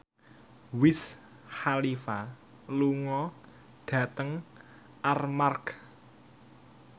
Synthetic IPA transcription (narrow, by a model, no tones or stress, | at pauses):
wɪs | halifa | luŋɔ | ɖ̥ä̤t̪əŋ | armark